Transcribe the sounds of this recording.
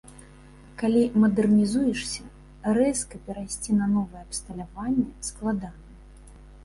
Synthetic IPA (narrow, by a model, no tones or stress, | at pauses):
kalʲimɐd̪ɛrnʲizujɛʂsʲɐ | ɾɛskɐpʲɛɾajsʲt͡sʲinɐnɔvɨjɛɐpst̪ɐlʲavanʲːɛsklˠad̪anɐ